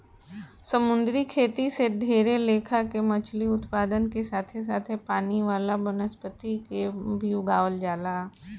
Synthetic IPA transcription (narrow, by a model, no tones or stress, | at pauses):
səmʊ̃nd̪ɾikʰeːt̪iseɖʱeːɾeleːkʰakemɐt͡ʃʰliʊt̪paːd̪ənkesaːt̪ʰes̬aːt̪ʰepaːniʋaːlabənəspət̪ikebʱiuɡaːʋəld͡ʒaːlaː